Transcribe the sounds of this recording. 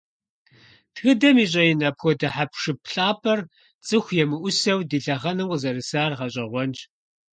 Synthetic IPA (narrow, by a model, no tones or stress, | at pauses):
dxɨdɐmiːɕʼɐjɪnɐpxʷɔdɐħapʰʂɨpɬaːpʰɐr | t͡sʼɨxʷjɛmɨʔʷʊsɐwdiːɬɐʁɐnɨqʷəzɐɾɨsaːrʁɐɕʼɐʁʷɔnd͡ʒ